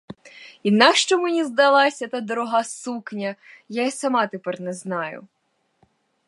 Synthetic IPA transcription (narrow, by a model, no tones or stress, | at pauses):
inɑkʃt͡ʃɔmenʲizd̪ɐlˠɑsʲɐt̪ɑd̪ɔɾɔɦɑsuknʲɐjasɐmɑt̪epɛrnɛznɑjʊ̰